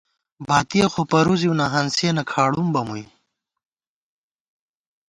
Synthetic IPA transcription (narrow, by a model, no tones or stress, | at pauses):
baːt̪ijexopɐɾuziunɐɦɐnseːnɐkʰaːɽumbɐmuj